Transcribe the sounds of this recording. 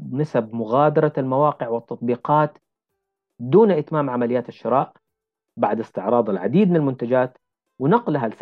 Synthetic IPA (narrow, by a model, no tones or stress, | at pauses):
nasab̚mʊɣaːd̪ɑɾˤɑlmawɑːqɪʕwɪt̪ːɑt̪̚ˤbiːqɑːt̪ | d̪uːnʔɪt̪maːmʕamalɪjːaːt̪aʃːɪɾˤɑːʔ | baʕd̪ɪst̪ɪʕɾˤɑːd̪ˤɪlʕa̰d̪iːd̪̚mɪnɪlmʊnt̪ad͡ʒaːt̪ | wɪnɑqlɦals